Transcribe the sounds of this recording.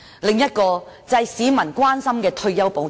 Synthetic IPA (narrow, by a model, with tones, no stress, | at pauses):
lɪ˨ŋjɐ˥t̚kɔː˧t͡sɐ˧jsiː˨˥mɐ˨˩nkʷwaː˥nsɐ˥mkɛː˧t̪ʰɵ˧ɥjɐ˥wpo˨˧w